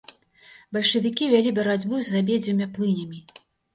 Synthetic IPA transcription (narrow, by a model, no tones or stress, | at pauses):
bɐlʲʂɐvʲikʲivʲalʲibɐɾad͡zʲbuzʲːabʲed͡zʲvʲimʲaplˠɨnʲɐmʲi